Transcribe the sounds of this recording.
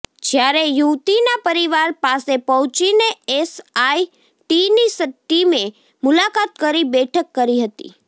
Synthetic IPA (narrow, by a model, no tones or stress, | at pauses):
d͡ʒjaɾejut̪inapəɾiʋaɾpasepəɦũt͡ʃineesai | ʈinisət̪ːime | mʊlakat̪̚kəɾibɛʈʰəkːəɾiɦət̪ḭ